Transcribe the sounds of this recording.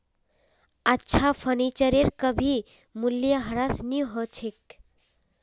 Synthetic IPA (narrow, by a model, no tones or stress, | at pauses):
ətːʃʰapʰənit͡ʃəɾeɾkəbʱi | muljəɦəɾasniɦət͡ʃʰek̚